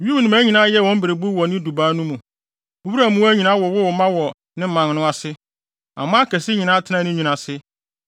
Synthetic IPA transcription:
ju˦˨nʊ̃˨æ˦ɲĩ˨nã˦jɛ˦˨wɔ̃˦m̩˦be˨ɾe˨bu˦wɔ˨nɪ̃˦du˨baː˦nũ˦mũ˨ | o˦bi˦ɾa˦˨mũ˦wæ˦ɲĩ˨nã˦wɔ˨wʊ˦wɔ˨mã˦wɔ˨ | nɪ̃˦m̩˦mã˨ŋ˦nʊ̃˦a˨sɪ˦ | ã̰˨mã˦kʰæ˨si˦ɲĩ˨nã˦tʰɪ˦nã˦nɪ̃˦ɲũ˨nã˨sɪ˦

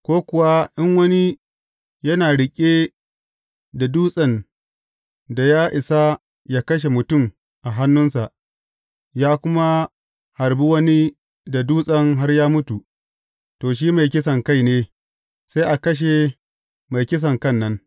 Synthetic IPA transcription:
kʷoː˦kʷʊ˨wa˦ʔɪ˦ŋwɐ˦ni˦ | jɐ˦naː˨ɽɪ˨kʲʼeː˦ | da˨duː˦sʼɐ˨n | da˨jaː˦ʔɪ˨sa˦ | jaː˦kɐ˦ʃ̬e˨mʊ˨tʊ˦˨m | ʔa˨ɦa˦nːʊ˦nsa˨ʔ | jaː˦kʷʊ˦ma˦ | ha˨rbi˦wɐ˦ni˦ | da˨duː˦sʼɐ˦ŋɦa˦rjaː˦mʊ˦tu˨ | toː˨ʃ̬iː˦ma˨jkʲɪ˦s̬ɐ˨ŋka˦˨jneː˦ | sa˦jʔa˨kɐ˦ʃ̬e˨ | ma˨jkʲɪ˦s̬ɐ˨ŋkɐ˦˨nːɐ˦n

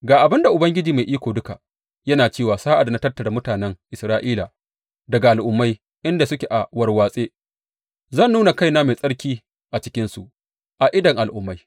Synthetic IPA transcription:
ɡaː˨ʔa˨bɪ˦nda˨ʔʊ˨bɐ˦ŋɡʲɪ˦d͡ʒiː˨ma˨jʔiː˦kʷoː˨dʊ˦ka˨ | jɐ˦naː˨t͡ʃeː˦˨waː˨saː˦ʔa˨da˨na˦tɐ˦tːɐ˨da˨mʊ˦taː˨nɛ˦ŋʔɪ˨sɾaː˦ʔiː˦laː˨ | dɐ˨ɡa˨ʔa˨lʔʊ˨mːa˦j | ʔɪ˦nda˨sʊ˦kʲe˨ʔa˨wɐ˨˦rwaː˨sʼeː˦ | zɐ˦˨nːuː˦na˨ka˦jnaː˦ma˨sʼɐ˦ɽkʲiː˦ | ʔa˨t͡ʃɪ̥˦kʲɪ˦nsu˨ʔ | ʔa˨ʔɪ˦dɐ˨ŋʔa˨lʔʊ˨˦mːa˦j

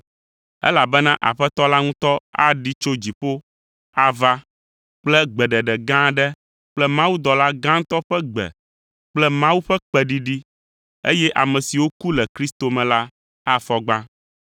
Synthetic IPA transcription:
ɛ̰˦la˨bɛ˦nã˦ʔa̰˨ɸɛ˦t̪ɔ˦la˦ŋũ˦t̪ɔ˦a̰˦ɖi˦t͡ʃo˦d͡ʑi˨ɸo˦ | a˦va˦ | k͡plɛ˦ɡ͡bɛ˨ɖɛ˨ɖɛ˨ɡã˦ɖɛ˦ | k͡plɛ˦mã˦wu˦d̪ɔ˨la˦ɡã˦ŋ̩˦t̪ɔ˦ɸɛ˦ɡ͡bɛ̰˨ | k͡plɛ˦mã˦wu˦ɸɛ˦k͡pɛ˨ɖi˦ɖi˦ | ḛ˦jɛ˦ʔa˨mɛ̃˨si˨wo˦ku˦lɛ˨kɾi˦st̪o˨mɛ̃˨la˦ | a˦fɔ˨ɡ͡bã˦

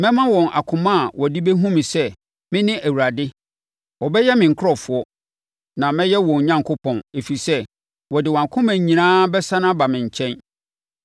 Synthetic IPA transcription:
mɛ̃˦mã˦wɔ̃˨nʔa̰˨kʰʊ̃˨mã˦˨wʔɔ˨di˦be˦ɦũ˦mĩ˨sɛ˦ | mɪ̃˦nɪ̃˦ʔæ˨wu˨ɾa˨dɪ˦ | wɔ˨bɛ˦jɛ˦mɪ̃˨ŋ̩˨kʰʊ˦ɾɔ˨fʊ˨˦ɔ˦ | nã˨mɛ̃˦jɛ˦wɔ̃˨ɲã˦ŋkʰo˦pʰɔ̃˨ne˨fi˨i˨sɛ˦ | wɔ˨dɪ˨wɔ̃˨a˨kʰʊ̃˦mæ̃˨ɲĩ˨nãː˦bɛ˦sã˦nã˦ba˨mɪ̃˨ɲ̩˨t͡ɕʰɛ̃˦n

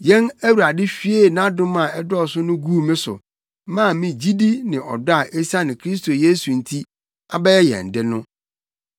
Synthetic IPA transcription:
jɛ̃˦næ˦wu˨ɾa˨dɪ˦fi˦e˦˨nã˦dʊ̃˦mã˨ɛ˦dɔ˦˨sʊ˦nʊ̃˦ɡu˦˨mɪ̃˦sʊ̰˨ | mã˦˨mĩ˨d͡ʑi˦di˦nɪ̃˨ʔɔ̰˨da˦˨ʔe˦sa˦nɪ̃˨kʰɾi˦s̬tʰo˨je˦su˨n̩˨tʰi˦ | a˨bɛ˦jɛ˦jɛ̰̃˨n̩˨dɪ˦nʊ̃˦

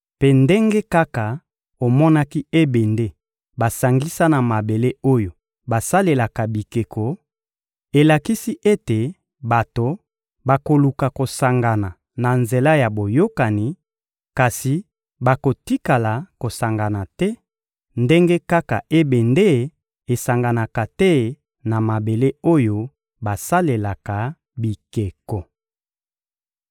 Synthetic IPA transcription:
pe˦nde˦ŋɡe˦ka˦ka˨ | o˨mɔ˦na˦ki˦e˦be˨nde˦ | ba˨sa˨ŋɡi˦sa˦na˨ma˨be˨le˦o˦jo˨ | ba˨sa˦le˨la˨ka˨bi˨ke˨kʰo˨ | e˨la˨ki˦si˦ʔe˦te˨ | ba˨to˨ | ba˨ko˨lu˨ka˨ko˨sa˨ŋɡa˨na˨ | na˨nze˨la˦ja˨bo˨jo˦ka˨ni˨ | ka˨si˨ | ba˨ko˨ti˦ka˨la˨ko˨sa˨ŋɡa˨na˨tɛ˦ | nde˦ŋɡe˦ka˦ka˨ʔe˦be˨nde˦ | e˨sa˨ŋɡa˨na˨ka˨tɛ˦ | na˨ma˨be˨le˦o˦jo˦ | ba˨sa˦le˨la˨ka˨ | bi˨ke˨kɔ˨

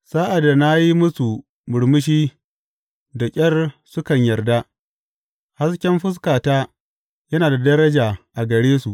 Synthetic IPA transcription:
saː˦ʔa˨dːa˨na˦ji˦mʊ˦su˨ | mʊ˨ɽmʊ˦ʃ̬iː˦ | da˨kʲʼɐ˦rsʊ˦kɐ˨ɲjɐ˨rda˦ | ha˦skʲɛ˦mɸʊ˦s̬kaː˨taː˦ | jɐ˦naː˨da˨dɐ˦ɾɐ˦d͡ʒaː˨ʔa˨ɡɐ˨ɽeː˦su˨ʔ

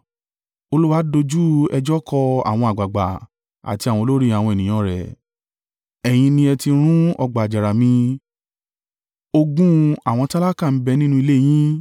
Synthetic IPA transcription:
o˧lu˦wa˦do˧d͡ʒu˦ɛ˧d͡ʒɔ˦kʰɔ˧a̰˨w̃ɔ̃˧a˨ɡ͡ba˨ɡ͡ba̰˨ | a̰˨ti˧a˨w̃ɔ̃˧lo˦ɾi˦a˨wɔ̃˧ɛ˨nĩ˨ã˧˦ɾɛ̰˨ | ɛ˨j̃ĩ˧nĩ˧ɛ˧ti˧˦ɾ̃ũ˦ɔ˧ɡ͡ba˨d͡ʒa˨ɾa˨mĩ˧ | o˧ɡũ˦a˨w̃ɔ̃˧ta˦la˦kã˦˨˦bɛ˧nĩ˦nũ˦i˧le˦˨j̃ĩ˦

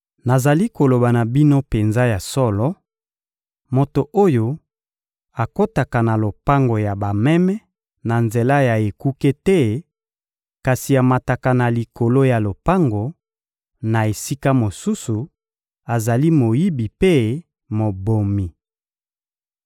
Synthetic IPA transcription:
na˨za˨li˦ko˨lo˨ba˨na˨bi˦no˦pe˨nza˦ja˨sɔ˦lɔ˦ | mo˨to˨ʔo˦jo˦ | a˨ko˦ta˨ka˨na˨lo˨pa˦ŋɡo˨ja˨ba˨mɛ˦mɛ˦ | na˨nze˨la˦ja˨e˨ku˦ke˦tɛ˦ | ka˨si˨ja˨ma˨ta˨ka˨na˨li˨ko˨lo˦ja˨lo˨pa˦ŋɡo˨ | na˨e˨si˦ka˦mo˨su˦su˨ | a˨za˨li˦mo˨ji˦bi˨pe˦ | mo˨bo˨mi˨

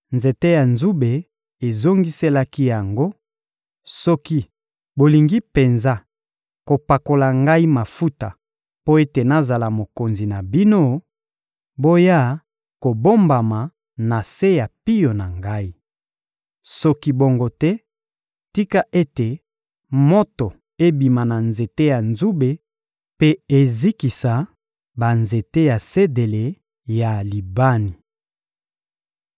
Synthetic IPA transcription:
nze˨te˦ja˨nzu˦be˨ | e˨zo˦ŋɡi˦se˦la˦ki˦ja˨ŋɡo˦ | sɔ˦ki˦ | bo˨li˨ŋɡi˦pe˨nza˦ | ko˨pa˨ko˨la˨ŋɡa˦i˦ma˨fu˦ta˨ | po˦e˦te˨na˨za˨la˨mo˨ko˨nzi˨na˨bi˦no˦ | bo˦ja˦˨ | ko˨bo˦mba˨ma˨ | na˨se˦ja˨pi˦jo˨na˨ŋɡa˦i˦ | sɔ˦ki˦bo˦ŋɡo˦tɛ˦ | ti˦ka˦ʔe˦te˨ | mo˦to˨ | e˦bi˨ma˨na˨nze˨te˦ja˨nzu˦be˨ | pe˦e˦zi˦ki˨sa˨ | ba˨nze˨te˦ja˨se˦de˨le˨ | ja˨li˨ba˦ni˨

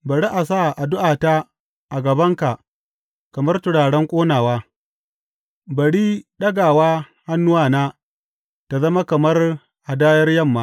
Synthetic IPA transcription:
bɐ˨ɽi˦ʔa˨saː˦˨ʔa˨dʊ˦ʔaː˨ta˦ | ʔa˨ɡɐ˨bɐ˦ŋka˨ʔ | kɐ˨mɐ˦rtʊ˨ɽaː˨ɽɛ˦ŋkʷʼoː˦naː˨waː˦ | bɐ˨ɽiː˦ɗɐ˦ɡaː˨waː˦ | ha˦nːʊ˦waː˦˨naː˦ | ta˨zɐ˦ma˦kɐ˨mɐ˦r | ʔa˨daː˦jɐ˦rjɐ˦˨mːaː˦

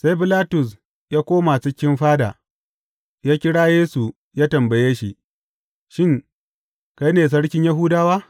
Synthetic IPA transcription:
sa˦jbɪ˦laː˦tʊ˨s̬ | jaː˦kʷoː˦ma˨t͡ʃɪ˦kʲːɪ˦mɸaː˦da̰˨ | jaː˦kʲɪ˦ɽaː˦jeː˦su˨ | jaː˦tɐ˨mbɐ˨jeː˦ʃi˨ | ʃɪ˦ŋ | ka˦jneː˨s̬ɐ˦ɽkʲɪ˦ɲja˦ɦʊː˦daː˦waː˦

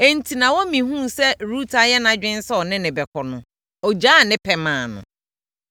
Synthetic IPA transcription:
e˨n̩˨tʰi˨nã˨wɔ˦mĩ˨hũ˦sɛ˦ɾuː˦tʰa˨jɛ˦nã˨˦d͡ʑᶣɪ̃˦n̩˦sɔ˦ɔ˨nɪ̃˦nɪ̃˨bɛ˨kʰɔ˨nʊ̰̃˨ | ɔ˨d͡ʑaː˦˨nɪ̃˦pʰɛ˨mãː˨nʊ̰̃˨

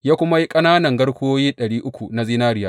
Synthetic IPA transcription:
jaː˦kʷʊ˦ma˦ji˦kʼɐ˦naː˦nɐ˨ŋɡɐ˦ɽkʷːoː˦jiː˦ɗɐ˨ɽiː˦ʔʊ˦kʷu˨na˦zi˦naː˦ɾɪ˦jaː˦

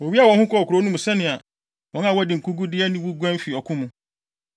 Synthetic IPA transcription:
wɔ˨bi˦a˨wɔ̃˨˦hũ˦kʰɔ˦˨ɔ˨kʰu˨ɾo˨˦nũ˦mũ˨sɛ˦nɪ̃˨a˨ | wɔ̃˨˦n˦ã˨wɔ˦dɪ˨ŋ̩˨kʰu˦ɡu˦dɪ˦ɛ˦nɪ̃˦wu˦ɡʷɛ̃˦n˦fi˨ɔ˨kʰʊ̃˦mũ˦

